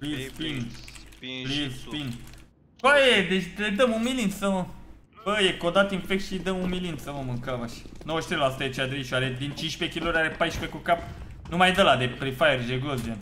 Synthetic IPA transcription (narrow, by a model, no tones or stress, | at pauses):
plizpin | plizin | bojed̪et͡ʃʲd̪ed̪əmunmilinsəmə | b̥əjekod̪at̪infek̚t̪ʃid̪əmunmilinsəməmuŋkavaʃnowoʃt̪ɾelasu̥t̪eet͡ʃead̪ɾeʃaɾed̪int͡ʃinʃpekʲiloɾaɾepajʃpekukap̚ | numajd̪əlad̪eplifajerd͡ʒeɡozian